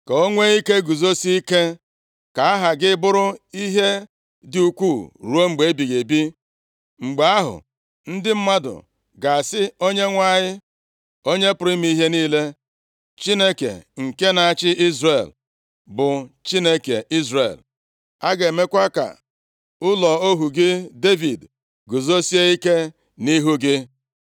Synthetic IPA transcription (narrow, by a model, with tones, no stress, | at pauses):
ka˨o˦ŋʷe˦i˦ke˦ɡu˨zo˦si˦i˦ke˦ | ka˨a˦ɦa˨ɡɪ˦bʊ˦ɾʊ˦i˦ɦe˦ | dɪ˨u˦kʷu˦˨ɾu˦o˦ŋ͡m̩˨ɡ͡be˨˦bi˨ɣe˨bi˦ | ŋ͡m̩˨ɡ͡be˨a˦ɦʊ̰˨ | n̩˦dɪ˦m̩˦ma˦dʊ̰˨ | ɡa˨sɪ˦o˦ɲe˦ŋʷa˦˨ɲɪ˦ | o˦ɲe˦pʊ˨ɾi˦mi˦ɦe˦niː˦le˦ | t͡ʃi˦ne˦kḛ˨ŋ̩˨ke˦na˨a˨t͡ʃɪ˦ʔi˦zre˨l | bʊ˨t͡ʃi˦ne˦kḛ˨ʔi˦zɾe˨l | a˦ɡe˨me˦kʷa˦ka̰˨ | ʊ˦lɔ˨o˦ɦu˨ɡɪ˦de˦vi˨d | ɡʊ˨zo˦si˦e˦i˦ke˦ | ni˦ɦu˦ɡɪ˦